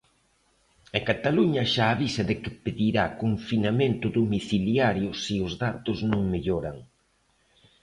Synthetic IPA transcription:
ekat̪aluɲɐʃaːβisɐðɪkɪpeðiɾakoɱfinamẽnt̪ʊðomiθiljaɾjʊsiʊzðat̪ʊznõŋmeʎoɾa̰ŋ

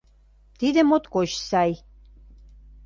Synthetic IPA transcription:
t̪id̪ə̆mot̪kot͡ɕsɑj

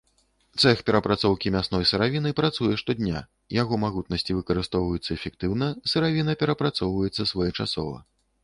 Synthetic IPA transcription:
t̪sɛxpʲɛɾɐpɾat̪sɔwkʲimʲasnɔjsɨɾavʲinɨpɾat̪sujɛʂt̪ɔd̪ʲnʲa̰ | jaɣɔmaɣut̪̚nɐsʲt͡sʲivɨkɐɾɨst̪ɔwvɐjut̪sːɐɛfʲɛkt̪ɨwnɐsɨɾavʲinɐpʲɛɾɐpɾat̪sɔwvɐjɛt̪sːɐsvɔjɛt͡ʂasɔ̰vɐ̰

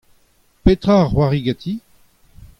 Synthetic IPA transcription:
pet̪χaːʁwaʁiɡat̪ʰi

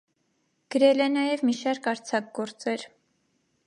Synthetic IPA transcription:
ɡ̥əɾɛlɛnɑjɛvmiʃɑɾkɑɾt͡sʰɑk̚ɡɔɾt͡sɛɾ

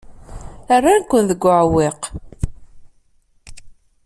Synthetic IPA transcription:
ərˤːankʷːənðəɡʷːʕwɪq

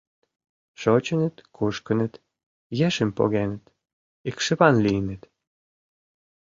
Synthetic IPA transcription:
ʃot͡ɕə̆nə̆t̪kʰuʃkə̆nə̆t̪ | jeʃəmpo̰ɣenə̆t̪ | ikʃə̆βɑnliənə̆t̪

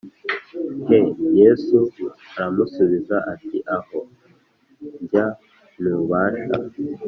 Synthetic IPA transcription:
hejesuaɾamusuβizaʔatiʔaho | ɲɟa | nuβaːʃa̰

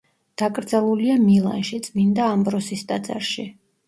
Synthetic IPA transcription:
d̪̥akʼɾd̪zɛlˠuliamilˠa̰nʃit̪sʼmind̪aːmbɾɔsist̪ʼad̪za̰ɾʃi

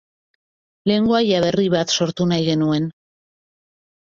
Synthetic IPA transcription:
le̞ŋɡoajaβe̞riβat̪so̞ɾt̪unajɣe̞nue̞n

